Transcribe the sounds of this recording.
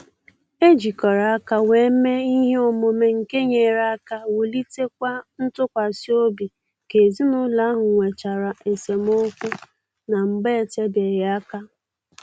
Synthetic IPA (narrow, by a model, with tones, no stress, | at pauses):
e˦d͡ʒi˨kɔ˨ɾa˨a˦ka˦we˨˦me˦i˦ɦe˦o˨mo˨me˨ŋ̩˨ke˦ɲe˨ɾa˦a˦ka˦wo˨li˦te˦kʷa˦n̩˦tʊ˦kʷa˨si˦o˦bi˨ | ke˨zi˦nʊ˦la˦a˦ɦʊ˨ŋʷe˨t͡ʃa˨ɾa˨ʔe˨se˨m˦o˦kʷu˦ | na˨ŋ͡m̩˨ɡ͡be˦˨te˦be˨ɾɪ˨a˦ka˦